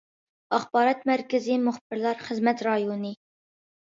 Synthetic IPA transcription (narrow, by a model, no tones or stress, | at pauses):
ɑχbɑːɾɑt̪mæɾkʲɪzimʊχbɪɾlˠɑɾχəzmɛt̪ɾɑjonɨ